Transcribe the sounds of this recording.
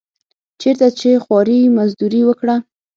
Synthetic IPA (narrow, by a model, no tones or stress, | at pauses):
t͡ʃeɾt̪at͡ʃexwɑɾimazd̪uɾiwəkɽa